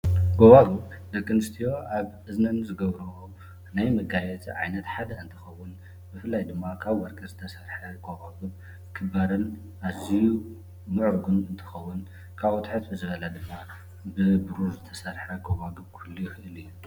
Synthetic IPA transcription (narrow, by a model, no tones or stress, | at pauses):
ɡoβaɡɨbd̪ɐkːɐnɨst̪ʰijo̞ʔaβʔɨznɐnɨzɨɡɐβɾɐwo | najmɐɡajɛt̪ʰiʕa̰jnɐt̪ħad̪ɐɨnt̪ʰɨxɐwːʊn | bɨfɨlːajd̪ɨmːakʰaβwɐɾkʼɐzɨt̪ʰɐsɐɾħɐɡoβaɡɨβ | kʰɨbaɾɐn | ʔaziju | mɨʕɾɡunɨnt̪ʰɨ̥xɐwːun | kʰaβot̪ħɨt̪bɨzɨβɐlɐd̪ɨmːa | bɨbuɾuzɨt̪ʰɐ̥sɐɾħɐɡoβaɡɨbkʰulːujɪxɨʔɨlijːu